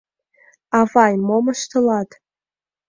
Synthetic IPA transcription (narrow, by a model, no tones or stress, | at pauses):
avajmomaʃtʰɨlatʼ